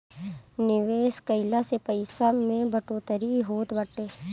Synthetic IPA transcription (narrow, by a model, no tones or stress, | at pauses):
nɪʋeːskəɪlasepəɪsamẽbɐʈoːt̪əɾiɦoːt̪bɐʈːeː